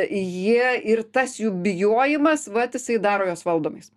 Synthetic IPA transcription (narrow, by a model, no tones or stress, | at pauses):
jiɛɪrt̪ɐsjuːbʲɪjoːjɪmɐsʋɐt̪jɪsɐɪd̪ɑːɾoːjoːsʋɐlˠd̪oːmɐɪs